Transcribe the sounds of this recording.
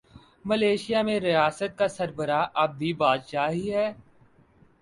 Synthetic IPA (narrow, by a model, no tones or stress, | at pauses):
məleːʃɪjamẽɾɪjaːsət̪̚kasɐɾbəɾaʔɐb̚ːʱibaːd̪ʃaːɦiɦɛː